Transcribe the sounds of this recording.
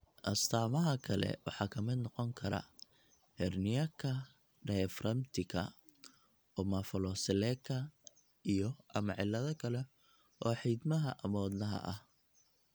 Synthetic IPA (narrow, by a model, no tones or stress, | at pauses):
ʔɐst̪ʰaːmɐɦɐkʰɐlɛ̰wɑ̰ħɑːkʰɐmɪd̪nɔqɔŋkʰɐɾɐ̰ | hɛrnɪjɐkʰɐ | ɖɛfrɐmt̪ʰɪkʰɐ̰ | ɔmɐfɔlɔsɪlɛkʰːɐ | ijɔʔɐmɐʕɪlːɐðɐkʰɐlɛ | ʔɔːħid̪mɐɦɐʔɐmɔːd̪nɐɦɐ̰ʔɐh